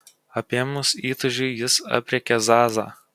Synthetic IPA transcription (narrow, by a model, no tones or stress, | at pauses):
ɐpʲeɛmʊsiːt̪ʊʒʲʊɪjɪsɐ̰pʲɾʲɛkʲɛzɑːzɑ̰ː